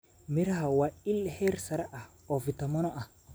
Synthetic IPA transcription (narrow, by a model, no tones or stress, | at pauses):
miɾahawailheɾsaɾaʔa | ovitamonoʔa